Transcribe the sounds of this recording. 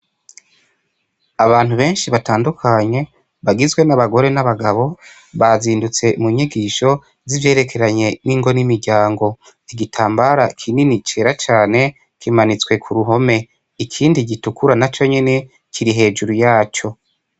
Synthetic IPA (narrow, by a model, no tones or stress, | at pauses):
aβaːn̥uβe̞ːnʃiβataːndukʰaɲe̞ | βaɡizwe̞naβaɡo̞ɾe̞naβaɡaβo̞ | βaziːndut͡se̞muɲiɡiːʃo̞ | zivje̞ːɾe̞kʰe̞ɾaɲe̞niːŋɡo̞nimiɾɟaːŋɡo̞ | iɡitʰaːmbaɾakʰininit͡ʃe̞ːɾat͡ʃaːne̞ | kimanit͡swe̞kʰuɾuɦo̞me | ikʰiːndiɟitukuɾanat͡ʃo̞ɲe̞ne̞ | kʰiɾiɦe̞ːd͡ʒuɾujaːt͡ʃo̞